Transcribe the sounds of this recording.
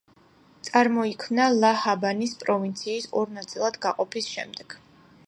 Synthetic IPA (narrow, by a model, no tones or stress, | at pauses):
t̪sʼaɾmɔikʰmnalˠahabanispʼɾɔvint̪sʰiːsɔɾnat̪sʼilˠad̪ɡaqʼɔpʰisʃɛ̰md̪ɛɡ̥